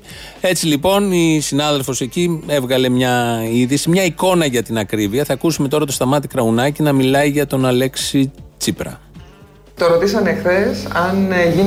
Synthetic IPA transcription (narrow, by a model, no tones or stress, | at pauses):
e̞t͡silipo̞nisinɐðe̞lfo̞se̞cie̞vɣɐle̞mɲɐiðisimɲɐiko̞nɐʝɐt̪inɐkɾiviɐθɐkusume̞t̪o̞ɾɐt̪o̞st̪ɐmɐt̪ikɾɐunɐcinɐmilɐiʝɐt̪o̞nɐle̞ksit͡sipɾɐ̰ | t̪o̞ɾot̪isɐnexθe̞sɐnʝi